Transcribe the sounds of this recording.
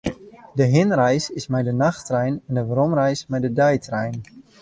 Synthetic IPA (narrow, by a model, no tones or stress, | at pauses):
dəɦɪnrɛjsɪsmɛjdənaxtrɛjnɛndəʋɾɔmrɛjsmɛjdədɛjtʰrɛjn